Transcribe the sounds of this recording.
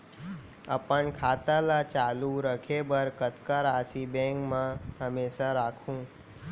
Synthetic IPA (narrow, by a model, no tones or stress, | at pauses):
əpənkʰat̪alat͡ʃaluɾəkʰebəɾkət̪kəɾasibẽŋkmãɦəmeʃaɾakʰũː